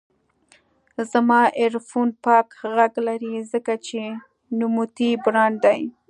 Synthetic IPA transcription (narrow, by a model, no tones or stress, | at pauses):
zamɑʔeɾfunpɑkɣaɡlaɾizəkat͡ʃe | numut̪ibɾɑnd̪aj